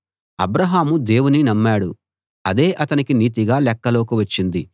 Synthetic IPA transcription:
ɐ̰bɾɐɦaːmud̪e̞ːwuninɐmːaːɽṵ | ɐd̪e̞ːʔɐt̪ɐnikiniːt̪iɡaːlɛkːɐlo̞ːkuʋɐt͡ʃːind̪i

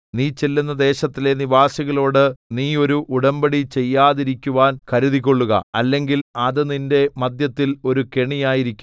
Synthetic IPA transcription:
niːt͡ɕe̞lːunːɐd̪e̞ːɕɐt̪ːile̞niʋaːsiɣɐɭo̞ːɽɨniːo̞ɾuʔuɽɐmbɐɽit͡ɕe̞jːaːðiɾikʲːuʋaːnkɐɾuðik̬ʲːo̞ɭːuɣɐ̰ɐlːe̞ŋɡilɐðɨninde̞mɐd̪jɐt̪ːilo̞ɾuke̞ɳijaːjiɾikʲːum

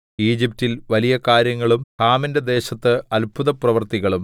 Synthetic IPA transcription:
iːd͡ʑip̚tilʋɐlijɐkaːɾjɐŋːɐɭumhaːminded̪e̞ːɕɐt̪ːɨɐlpuðɐprɐʋɐrt̪iɣɐɭum

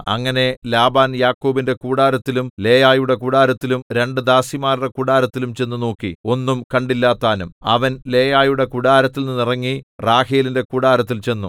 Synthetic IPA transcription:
ɐ̰ŋːɐne̞laːbaːnjaːkːoːbinde̞kuːɽaːɾɐt̪ːilumle̞ːjaːjuɽe̞kuɽaːɾɐt̪ːilumɾe̞ɳɖɨd̪aːsimaːɾuɽe̞kuɽaːɾɐt̪ːilumt͡ɕe̞nːunoːkːio̞nːumkɐɳɖilːaːt̪ːaːnumɐ̰ʋɐnle̞ːjaːjuɽe̞kuɽaːɾɐt̪ːilninirɐŋːiraːheːlinde̞kuːɽaːɾɐt̪̬ːilt͡ɕe̞nːu

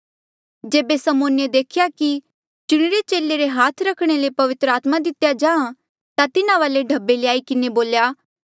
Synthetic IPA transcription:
d͡ʒeːbesɐmoːnjed̪eːkʰɪjaki | t͡ʃʊɽ̃ɪɾet͡ʃeːlːeɾeɦaːt̪ʰɾɐkʰɽ̃elepɐʋɪt̪ɾəaːt̪mãd̪ɪt̪jad͡ʒãːã | t̪at̪ɪnaʋaːleɖʱɐbːeleaːikɪneboːljaː

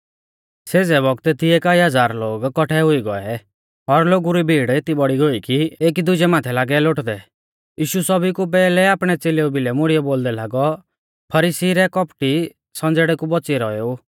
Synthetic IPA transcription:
seːd͡zɛbɔɡt̪ɛt̪ʰieːkaiɦɐd͡zaːɾloːɡkɔʈʰɛɦʊiɡɔɛ | ɔɾloːɡuɾibʱiːɽet̪ibɔɽiɡoikiek̬id̪ʊd͡ʒɛmaːt̪ʰɛlaːɡɛloʈd̪ɛ | jiːʃusɔbikup̬ɛːlɛaːpɽ̃ɛt͡seːleubilɛmʊɽijɔboːld̪ɛlaːɡɔ | pʰɐɾisiɾɛkɔpʈi | sɔ̃nd͡zeɽɛkubɔt͡siɾɔeu

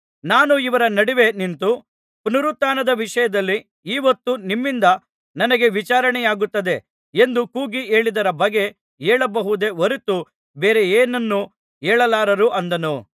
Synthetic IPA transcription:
naːnuiʋɐɾɐnɐɽiʋe̞nint̪u | punuɾut̪ːaːnɐd̪ɐʋiʂɐjɐd̪ɐlːi | iːʋɐt̪ːunimːind̪ɐ | nɐnɐɡe̞ʋit͡ʃaːɾɐɳɛjaːɡut̪ːɐd̪e̞ | end̪ukuːɡieːɭid̪ɐɾɐbɐɡːe̞ | eːɭɐbɐɦud̪e̞oɾit̪u | beːɾe̞eːnɐnːu | eːɭɐlaːɾɐɾuʔɐnd̪ɐnu

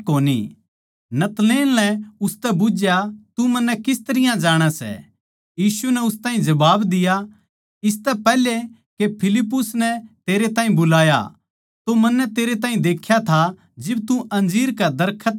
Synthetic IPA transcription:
koːnḭ | nɐt̪leːnlɛ̃ʊst̪ɛbʊd͡ʒjat̪umɐnːɛkɪst̪ɐɾɪjãd͡ʒaːɽ̃asɛ̰ | jiːsunɛʊst̪ãːĩd͡ʒɐbaːbd̪ɪja | ɪs̬t̪ɛpɛːle | kepʰɪlɪpːʊsnɛt̪eːɾet̪ãːĩbʊlaːja̰ | t̪omɐnːɛt̪eːɾet̪ãːĩd̪eːkʰjat̪ʰa | d͡ʒɪbt̪ũʔɐ̃nd͡ʒiːɾkad̪ɐɾkʰət̪

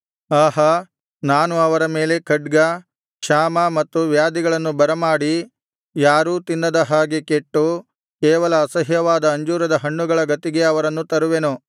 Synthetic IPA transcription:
aːɦɐ | naːnuɐʋɐɾɐmeːle̞kʰɐɖɡɐ | kʂaːmɐmɐt̪ːuʋjaːd̪iɡɐɭɐnːubɐɾɐmaːɽi | jaːɾuːt̪inːɐd̪ɐɦaːɡike̞ʈːu | kɛːʋɐlɐːsɐɦjɐʋaːd̪ɐːɲd͡ʒuːɾɐd̪ɐɦɐɳːuɡɐɭɐɡɐt̪iɡe̞ɐʋɐɾɐnːut̪ɐɾuʋe̞nu

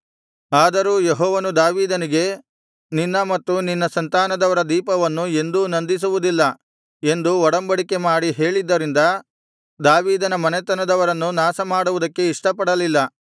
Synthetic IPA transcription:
aːd̪ɐɾuːjeɦɔːʋɐnud̪aːʋiːd̪ɐniɡe̞ | ninːɐmɐt̪ːuninːɐsɐnt̪aːnɐd̪ɐʋɐɾɐd̪iːpɐʋɐnːue̞nd̪unɐnd̪is̬uʋud̪ilːɐ | e̞nd̪uɔɽɐmbɐɽike̞maːɽiɦe̞ːɭid̪ːɐɾind̪ɐ | d̪aːʋiːd̪ɐnɐmɐnet̪ɐnɐd̪ɐʋɐɾɐnːunaːsɐmaːɽuʋud̪ɐkːe̞iʂʈɐpɐɽɐlilːɐ

